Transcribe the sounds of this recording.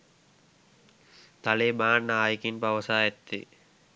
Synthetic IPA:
t̪aleːbaːnːəaːjikinpaʋəsaːet̪ːḭ

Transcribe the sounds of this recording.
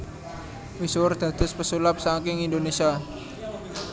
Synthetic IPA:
misʊrd̪̥ä̤d̪̥ə̤spəsulap̚sak̬ɪŋindonesia

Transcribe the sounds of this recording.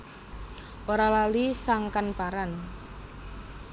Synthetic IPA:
ʔoɾalalisaŋkanpaɾan

